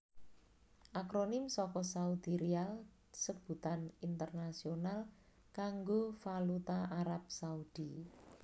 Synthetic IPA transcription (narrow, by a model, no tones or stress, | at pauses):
ʔakɾonɪmsɔkɔsaud̪̥iɾial | səkb̥ṳt̪anint̪ərnasional | kaŋɡofalut̪aaɾap̚saud̪̥i